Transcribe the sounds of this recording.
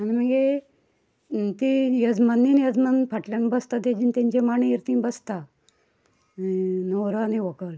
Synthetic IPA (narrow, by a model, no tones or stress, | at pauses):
anim̤əɡe | t̪ijəd͡zmənːinjəd͡zmənpʰaʈljanbəst̪at̪ed͡ʑiːnt̪ẽɲt͡ɕemaɳiiɾt̪ĩːbəst̪a | noɾəniʋɔkəl